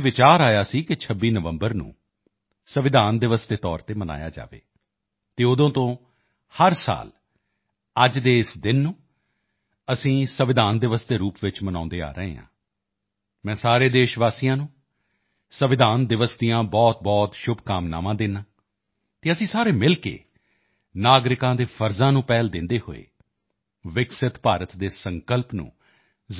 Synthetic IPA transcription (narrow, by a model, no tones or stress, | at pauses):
ʋɪt͡ʃaːɾaːjaːsiːkɪt͡ʃʰəbːiːnəʋəmbəɾnṵ̃ː | səʋɪd̪ʱaːnd̪ɪʋəsd̪eːt̪ɔ̰ːɾt̪eːməna̰ːja̰ːd͡ʒa̰ːʋḛː | t̪eːʊd̪õːt̪õː | həɾsa̰ːl | əd͡ʒd̪eːɪsd̪ɪnːũː | əsĩːsəʋɪd̪ʱaːnd̪ɪʋəsd̪eːɾuːpʋɪt͡ʃmənã̰ːnd̪eːa̰ːɾəɦḛːɦã̰ː | mɛ̃ːsaːɾeːd̪eːʃʋaːsijãːnũː | səʋɪd̪aːnd̪ɪʋəsd̪ijãːbɔːt̪̚bɔːt̪ʃʊbʱkaːmna̰ːmãːd̪ɪnːãː | t̪eːəsĩːsaːɾeːmɪlkḛː | naːɡɾɪkãːd̪eːfʰəɾzãːnũːpɛːld̪ɪnd̪eːho̰ːḛː | ʋɪksɪt̪paːɾət̪d̪eːsəŋkəlpnṵ̃ː